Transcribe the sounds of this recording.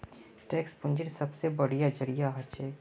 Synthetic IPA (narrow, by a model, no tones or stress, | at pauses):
ʈɛːkspʊ̃nd͡ʒɪnsɐbsebəɽijad͡ʒəɽijaɦɐt͡ʃʰeː